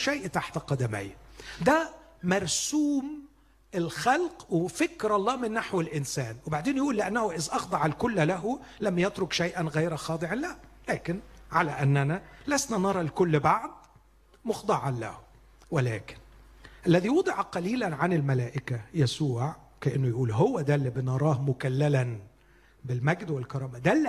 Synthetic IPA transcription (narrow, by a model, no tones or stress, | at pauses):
ʃajʔt̪aħt̪aqɑd̪æmɪ̰jːad̪æmɑɾˤsuːm | ɪlxælqwɪfɪkɾɑlˤːɑːmɪnːaħwɪlʔɪnsæːnwɪbaʕd̪eːnjʔuːlːɪʔanːæhʊʔɪzʔɑxd̪ˤɑʕalkʊlːlæɦʊlæmːjɪt̪ɾʊkʃæjʔænɣæjɾxɑːd̪ˤɨʕɑnlælæːkɪnʕalæʔænːænælæsnænɑɾˤɑlkʊlːbaʕd̪ | moxd̪ˤɑʕɑnlæ̰h | welæ̰ːkɪ̥n | ʔælːæðiwɑd̪ˤɨʕqɑliːlænʕanɪlmælæːʔɪkæjæsuːʕ | kæʔɪnːʊjʔuːlɦowːæd̪æːlːibɪnɑɾˤɑːhmʊkælːælæn | bɪlmæɡd̪wɪlkɑɾˤɑːmæd̪ælː